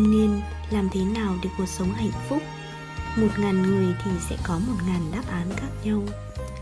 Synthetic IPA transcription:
ni˧ən | laː˨˩mt̪ʰe˨˦naː˨˩wɗe˨˩ku˨˩ək̚sə˨˦wŋ͡mɦa̰˧˨ŋ̟fʊ˦˥k͡p̚ | mo˨˩t̚ŋa˨˩jnŋɨ˨˩əjt̪ʰi˨˩sɛ̰˧˥kɔ˨˦mo˨˩t̚ŋa˨˩nɗaː˦˥p̚ʔaː˨˦nkaː˦˥k̚ɲə˧w

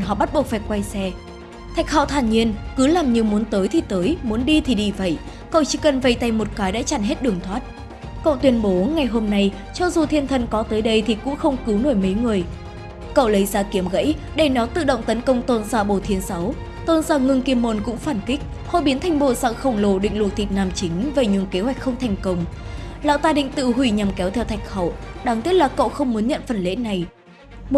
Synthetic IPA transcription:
nɦɔ̰˧˨ɓa˦˥t̚ɓu˨˩ək̚faː˧˩jkwa˧jsɛ˧ | t̪ʰa˨˩jk̚ha̰˧˨wt̪ʰaː˧˩nɲi˧ənkɨ˨˦laː˨˩mɲɨ˧ŋmu˨˦ənt̪əː˨˦jt̪ʰi˨˩t̪əː˨˦jmu˨˦nɗi˧t̪ʰi˨˩ɗi˧˩və̰˧˨j | kə̰˧˨wt͡ɕi˧˦kə˨˩nvə˧˩jt̪a˧jmo˨˩t̚kaː˨˦jɗa̰ː˧˥t͡ɕa˧˩nɦe˦˥t̚ɗɨ˨˩əŋt̪ʰwaː˦˥t̚ | kə̰˧˨wt̪wi˧ənɓo˨˦ŋa˨˩jɦo˧mna˧j | t͡ɕɔ˧zu˨˩t̪ʰi˧ənt̪ʰə˧˩nkɔ˨˦t̪əː˨˦jɗə˧jt̪ʰi˨˩kʊ̰˧˥ŋ͡mxə˧wŋ͡mkɨ˨˦wno˧˩jmə˨˦jŋɨ˨˩əj | kə̰˧˨wlə˨˦jzaː˧ki˨˦əmɣə̰˧˥j | ɗe˧˩nɔ˨˦t̪ɨ̰˧˨ɗə̰˧˨wŋ͡mt̪ə˨˦nkə˧wŋ͡mt̪o˧nzaː˧˩ɓo˧˩t̪ʰi˨˦ənsa˨˦w | t̪o˧nzaː˧˩ŋɨ˧ŋki˧əmːo˧nkʊ̰˧˥ŋ͡mfaː˧˩nkï˦˥k̟̚ | hɔ˧˦ɓi˨˦ənt̪ʰa˨˧˩jŋ̟ɓo̰˧˨za̰˧˨xə˧˩wŋ͡mlo˧˩ɗḭ˧˨ŋ̟lwk̚t̪ʰi˨˩t̚naː˧mt͡ɕï˨˦ŋ̟ve˨˩ɲɨ̰˧˥ŋke˨˦ɦwa˨˩k̟xə˧wŋ͡mt̪ʰa˨˩jŋ̟kə˧wŋ͡m | la̰ː˧˨wt̪aː˧ɗḭ̈˧˨ŋ̟t̪ɨ̰˧˨ɦwi˧˩ɲa˨˩mkɛ˨˦wt̪ʰɛ˧wt̪ʰa˨˩jk̟xə̰˧˩wɗaː˨˩ŋt̪i˦˥ət̚laː˨˩ko̰˧˨wxə˧wŋ͡mmu˨˦ənɲə̰˧˨nfə˨˩nlḛ˧˥na˨˩j | m˩

